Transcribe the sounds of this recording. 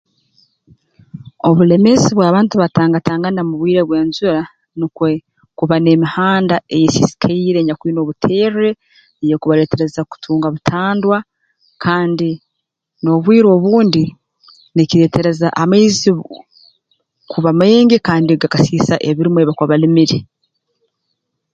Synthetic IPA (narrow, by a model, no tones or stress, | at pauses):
o̞βule̞me̞ziβwaːβaːntuβataːŋɡataːŋɡanamuβwiːɾeβwe̞ːnzuɾa | nikwe | kuβane̞mihaːndaejesisi̥kʰaiːɾe̞ɲakwiːno̞ːβutʰeːɾɾe̞ | ejekuβaɾe̞ːte̞ɾe̞zaku̥tʰuːŋɡaβutʰaːndwa | kʰaːndi | no̞βwiːɾo̞ːβuːndi | niciɾe̞ːte̞ɾe̞zaʔameːzi | kʰuβameːŋɡikaːndiɡakasiːsaʔeβiɾimweβakwaβalimiɾi